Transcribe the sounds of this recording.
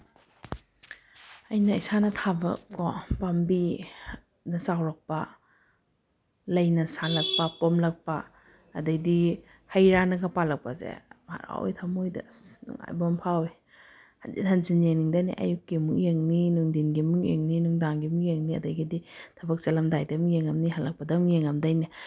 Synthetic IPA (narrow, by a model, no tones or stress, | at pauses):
ɐjnɐisanɐtʰabɐ̰kːopambi | nɐsawɾɐk̚pɐ | lɐjnɐsalɐk̚pɐpomlɐk̚pɐː | dɐjdi | hɐjɾanɐɡɐpalɐk̚pɐzḛma̰ɾa̰wo̰jtʰamojdɐ̰nṵŋa̰jbompʰawe | dinɦɐnzinjeŋniŋdɐnḭʔɐ̰jukːimuŋjeŋninuŋdinɡimuŋjḛŋninuŋdaŋɡimuŋjeŋniɐ̰dɐjɡiditʰɐbɐk̚sɐlɐmdajdɐmujeŋɐmniɦɐlɐk̚pɐdɐmujeŋɐmdɐjnɐ